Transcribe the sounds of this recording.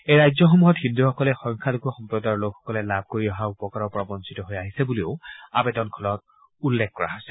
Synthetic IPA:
ejɹajzɔxɔmuɦɔthinduxɔkɔlɛxɔŋkʰalokuɔxɔmpɹɔdaɹlokʰxɔ̥kɔlɛlab̚ʱkoɹiɔɦaupɔkaɹɔɹpɔɹabɔnsitɔɦojaɦisɛbulio̰ʊa̰betɔnkʰɔlɔt̚ | ulːɛk̚ʰkɔɹa̰ɦojsɛ̥

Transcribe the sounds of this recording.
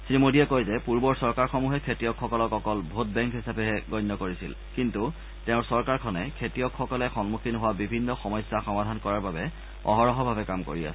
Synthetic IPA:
sinimodijɛkojzɛpuɹbɔɹsɔɹkaɹxɔmuɦɛkʰetijɔkʰːɔkɔlɔkɔkɔlbʱot̚bɛŋkɦisapɛɦɛɡɔjnːɔkoɹisḭl | kintu | tɛʊ̃ɹsɔɹkaɹkʰɔnɛkʰetijɔkʰxɔkɔlɛxɔnmukʰinɦowabibʱinːɔxɔmɔjsaxɔmadʱankɔɹaɹbabɛ | ɔ̰ɦɔɹɔɦɔbʱabɛkamko̰ɹia̰sɛ

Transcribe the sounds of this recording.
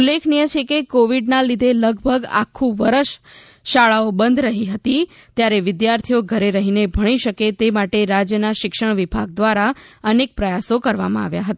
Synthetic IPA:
ulːekʰnijət͡ʃʰekekoʋiɖnalid̪ʱeləɡ̚bʱəɡa̰kʰːũʋəɾəʃ | ʃaɭaobənd̪ʱɾəɦiɦət̪i | t̪jaɾeʋɪd̪jaɾt̪ʰijoɡʱəɾeɾəɦinebʱəɽ̃iʃəket̪emaʈeɾad͡ʒjənaʃɪkʃəɳʋibʱaɡ̚d̪ʋaɾaənek̚pɾəjasokəɾʋa̰mãa̰ʋjaɦət̪a

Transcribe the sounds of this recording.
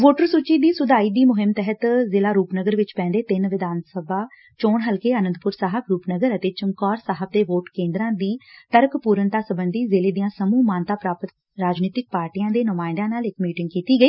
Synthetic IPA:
ʋoːʈəɾsuːt͡ʃiːd̪iːsʊd̪aːiːd̪iːmʊɦɪmt̪ɛɦət̪zɪlaːɾuːpnəɡəɾʋɪt͡ʃpɛ̃ːnd̪eːt̪ɪnʋɪd̪aːnsəbaː | t͡ʃoːɳɦəlkeːənənd̪̚pʊɾsaːɦəbɾuːpnəɡəɾət̪eːt͡ʃəŋkɔːɾsaːɦəb̚d̪eːʋoːʈkẽːnd̪ɾãːd̪iːt̪əɾəkpuːɾənt̪aːsəbənd̪iːzɪleːd̪ijãːsəmuːmaːnt̪aːpɾaːpət̪ | ɾaːd͡ʒniːt̪ɪk̚paːɾʈiːjãːd̪eːnəmaːɪ̃nd̪ãːnaːlɪkmiːʈɪ̃ŋɡ̚kiːt̪iːɡəiː

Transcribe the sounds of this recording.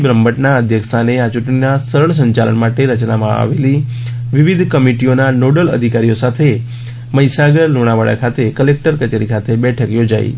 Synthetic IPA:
bɾəmbəʈnaəd̪ʱjəksʰaneat͡ʃʊʈɳinasəɾəɳ̃s̬ə̃ɲt͡ʃalə̰nmaʈeɾət͡ʃnamãa̰ʋeli | ʋiʋid̪ʱkəmiʈionanoɖələ̰d̪ʱikaɾijosat̪ʰe | məjsaɡəɾluɽ̃aʋaɭa̰kʰat̪ekəlek̚ʈəɾkət͡ʃeɾikʰat̪ʰebɛʈʰəkjod͡ʒaḭ

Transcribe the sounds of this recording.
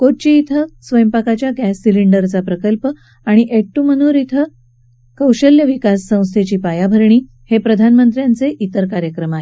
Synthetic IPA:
koʈ̚t͡ɕiːt̪ʰəsʋəjəmpakat͡ɕjaɡæsːiliɳɖəɾt͡sapɾəkəlpə | aɽ̃iʔek̚ʈːum̤əñuːɾit̪ʰə | kəwɕəljəʋikasːə̃w̃st̪ʰet͡ɕiːpajabʱəɾɳiː | hepɾəd̪ʱanmənt̪ɾjant͡seʔit̪əɾkaɾjəkɾəmaɦe

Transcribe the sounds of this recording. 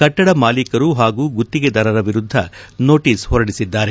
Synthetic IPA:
kɐʈːɐɽɐmaːlikɐɾuɦaːɡuːɡut̪ːiɡed̪ɐɾɐɾɐʋiɾud̪ʱːɐno̞ːʈiːshɔɾɐɽisid̪ːaːɾe

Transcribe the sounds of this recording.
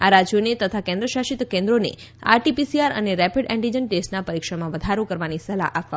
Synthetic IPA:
aɾad͡ʒjonet̪ət̪ʰakɛ̃nd̪ɾəʃaʃit̪kẽnd̪ɾonḛ | a̰ɾʈipisiaɾə̰neɾɛpiɖɛ̃ɳʈid͡ʒənʈesʈnapəɾikʃəmãʋəd̪ʱaɾũkəɾʋanisəla̰ʔapʋa

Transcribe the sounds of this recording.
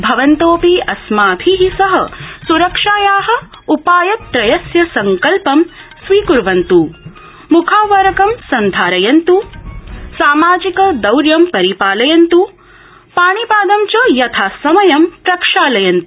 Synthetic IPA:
bʱɐʋɐnt̪oːpiʔɐsmaːbʱiɦisɐɦɐ̰suɾɐkʂaːjaːɦɐ̆ | upaːjɐt̪ːɾɐjɐsjɐsɐŋkɐlpɐmsʋiːkuɾʋɐnt̪u | mukʰaːʋɐɾɐkɐmsɐnd̪ʱaːɾɐjɐnt̪u | saːmaːd͡ʒikɐd̪ɐwɾjɐmpɐɾipaːlɐjɐnt̪u | paːɳipaːd̪ɐmt͡ʃɐjɐt̪ʰaːsɐmɐjɐmpɾɐkʂaːlɐjɐnt̪u

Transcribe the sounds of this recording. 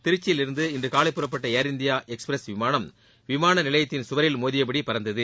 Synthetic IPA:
t̪ɪɾɯt͡ʃːɪjɪlɪɾɯnd̪ɯɪndrɯkaːlɐɪpːɯrɐpːɐʈːɐeːɾɪnd̪ɪjaːʔɛkspɾɐsʋɪmaːnɐm | ʋɪmaːnɐnɪlɐjɐt̪ːɪnsʊʋɐɾɪlmoːðɪjɐpɐɽipːɐɾɐnd̪ɐðɯ

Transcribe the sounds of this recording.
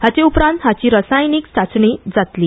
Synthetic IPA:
hat͡ɕeupɾãnt̪ɦat͡ɕiːɾəsajniːksat͡sɳid͡zat̪li

